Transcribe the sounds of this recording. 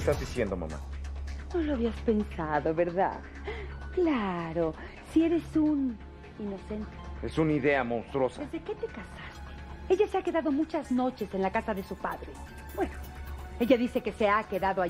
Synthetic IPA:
st̪azðisjend̪o̞ma̰ma̰ | uloaβiaspe̞nsaðo̞βe̞ɾða̰ð | klaɾo̞ | sie̞ɾe̞sun | ino̞se̞nt̪eesuniðe̞amõw̃st̪ɾo̞saezðe̞ke̞t̪e̞kasast̪ee̞ʝase̞ake̞ðaðo̞mut͡ʃazno̞t͡ʃe̞se̞nlakasaðe̞supaðɾe̞ | bwe̞noe̞ʝaðise̞ke̞se̞akeðaðoa

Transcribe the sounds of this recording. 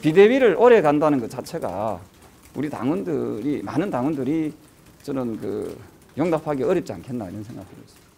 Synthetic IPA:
pide̞wiɾɯɭʔoɾe̞ɡandanɯnɡɯt͡ɕat͡ɕʰe̞ɡa̰ | ṵɾita̰ŋundɯɾimanɯntaŋwʌndɯɾi | t͡ɕʌnɯnkɯ̰ | joŋdapʰaɡeʌɾɯp̚t͡ɕ͈ia̰nkʰe̞nːaiɾʌnsʰe̞ŋɡa̰kʰɯɾʌs͈ʌ̥

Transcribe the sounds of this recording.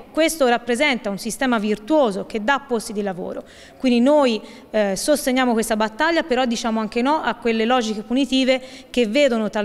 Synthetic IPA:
kwest̪orapːɾezɛnt̪aunsist̪ɛːmavirt̪woːzok̟ed̪ːaːpːost̪id̪ilavo̰ːɾo̰ | kwind̪inoj | sost̪eɲːjaːmokwest̪abat̪ːaʎːapeɾɔd̪ːit͡ʃaːmoaŋk̟enɔʔakːwelːelɔːd͡ʒik̟epunit̪iːvek̟evːeːd̪onot̪a

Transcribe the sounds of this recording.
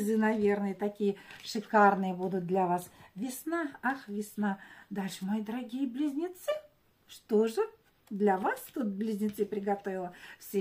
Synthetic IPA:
zɨnɐvʲernəjət̪ɐkʲijəʂɨkarnɨjəbud̪ʊt̪̚d̪lʲɐvasvʲɪsnaaxvʲɪsnad̪alʲʂɨmojd̪əɾɐɡʲijəblʲɪzʲnʲɪt̪sɨ | ʂt̪oʐɨ | d̪lʲɐvast̪ut̪̚blʲɪzʲnʲɪt̪sɨpɾʲɪɡɐt̪ovʲɪlˠəfsʲe

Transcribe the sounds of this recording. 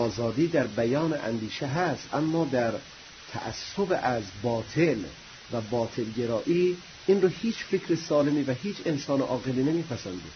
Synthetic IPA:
ɒːzɒːd̪iːd̪æɾbæjɒːneʔæ̰nd̪iːʃeɦæst̪ʔæmːɒːd̪æɾ | t̪ʰæ̰ʔæ̰sːobeʔæzbɒːt̪ʰel | væbɒːt̪ʰe̞lɡe̞ɾɒːʔiː | ʔinrohiːt͡ʃfekʰɾesɒːlemiːvæɦiːt͡ʃʰe̞nsɒːneʔɒːɣeliːne̞miːpʰæsænd̪i̥ː

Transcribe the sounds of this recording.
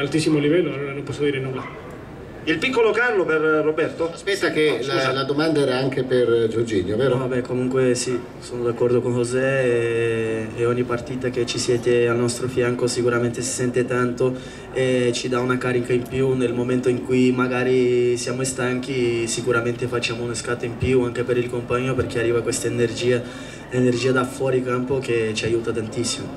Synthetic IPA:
alt̪isimolivɛlːoaoanompɔsːod̪iːɾenulːa | ilpikːolokanːoperːobɛrt̪oaspɛtsːakealad̪omand̪aɛɾaaŋkeperd͡ʒod͡ʒinjovɛːɾovabɛkomuŋkwesi | sonod̪akːɔrd̪okonhozɛ | ɔɲːipart̪iːt̪ak̟et͡ʃːisjɛːt̪ealnɔst̪ɾofjaŋkosikuɾament̪esi̥sɛnt̪et̪ant̪o | et͡ʃid̪aunakaɾikaimpjunelmoment̪oiŋkujimaɡaːɾisjaːmoest̪aŋk̟isikuɾament̪efat͡ʃːaːmounaskat̪eimpjuaŋk̟epeɾilkompaɲːoperk̟iarːiːvakwest̪aenerd͡ʒiːa | enerd͡ʒiːad̪afwɔːɾikampok̟et͡ʃiajuːt̪at̪ant̪isːimo

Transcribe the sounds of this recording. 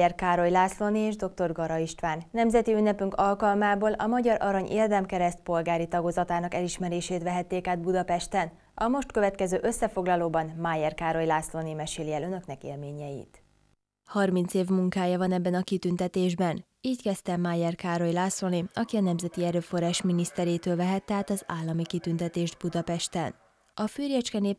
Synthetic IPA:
ɛrkaːɾo̞jlaːslo̞nieːʒd̪o̞k̚t̪o̞rɡɒɾɒiʃt̪ʋaːnnɛmzɛt̪iynːɛpyŋkɒlkɒlmaːboːlʔɒmɒɟɒɾʔɒɾɒɲʔeːrd̪ɛmkɛɾɛst̪̚po̞lɡaːɾit̪ɒɡozɒt̪aːnɒkɛliʃmɛɾeːʃeːt̪ʋɛɦɛt̪ːeːkaːd̪̚bud̪ɒpɛʃt̪ɛn | ɒmo̞ʃt̪køvɛt̪kɛzøːʔø̞sːɛfo̞ɡlɒloːbɒnmaːjɛrkaːɾo̞jlaːslo̞nimɛʃeːliɛlønø̞knɛkḛːlmeːɲɛjḭt̪ | hɒrmint̪seːvmuŋkaːjɒvɒnɛbːɛnɒkit̪ynt̪ɛt̪eːʒbɛn | iːckɛst̪ɛmaːjɛrkaːro̞jlaːsoniɒkiɒnɛmzɛt̪iɛɾøːfo̞raːʃminist̪ɛɾeːt̪øːlvɛɦɛt̪ːɛɦaːt̪ɒzaːlːɒmikit̪ynt̪ɛt̪eːʒd̪̚bud̪ɒpɛʃt̪ɛn | ɒfyːrjɛt͡ʃkɛneː

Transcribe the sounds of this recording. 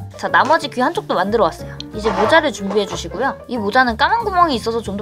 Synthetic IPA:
t͡ɕanamʌd͡ʑikɥiɦant͡ɕ͈ok̚t͈omandɯɾʌwas͈ʌjoid͡ʑe̞mod͡ʑaɾɯɭt͡ɕumbiɦe̞d͡ʑuɕʰiɡojoimod͡ʑanɯnk͈amanɡumʌŋiːs͈ʌsʰʌt͡ɕomdo

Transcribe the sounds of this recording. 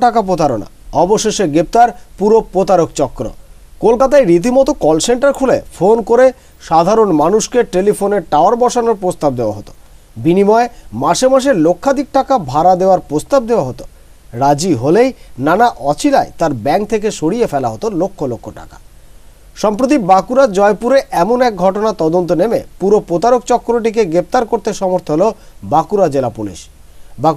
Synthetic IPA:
ʈakap̬ot̪aɾona̰ɔboʃeʃeɡɾep̚t̪aɾpuɾopɾot̪aɾokt͡ɕɔkːɾo̰ | kolkat̪aeɾit̪̬imɔt̪okɔlseɳʈaɾkʰulefonkoɾe | ʃad̪ʱaɾonmanuʃkeʈelifoneɾʈaoaɾbɔʃanoɾpɾost̪ab̚d̪ewa̰ɦot̪o̥ | binimɔemaʃemaʃ̬elokʰːad̪ik̚ʈakabʱaɾad̪eoaɾpɾost̪ab̚d̪eoaɦot̪o̥ | ɾad͡ʑiɦolejnanaʔɔt͡ɕʰilaet̪aɾbɛŋk̚t̪ʰek̬eʃoɽiefɛlaɦot̪olokʰːolokʰːoʈa̰ka̰ | ʃɔmpɾot̪̬ibakuɾad͡ʑɔepuɾeʔɛmonɛk̚ɡʱɔʈonat̪ɔd̪ont̪̬onemḛpuɾopɾot̪aɾokt͡ɕɔkːɾoʈ̬ik̬eɡɾep̚t̪aɾkoɾt̪eʃɔmoɾt̪ʰoɦlobakuɾad͡ʑelapulḭʃ | bak

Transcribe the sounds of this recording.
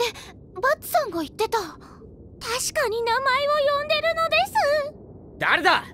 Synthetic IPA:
d̪e | bat͡sɨ̥sãŋɡait̪ːe̞t̪a | t̪aɕi̥kaɲ̟inamaeβojõ̞nd̪e̞ɾɯ̟no̞d̪e̞sɨ | d̪aɾed̪a

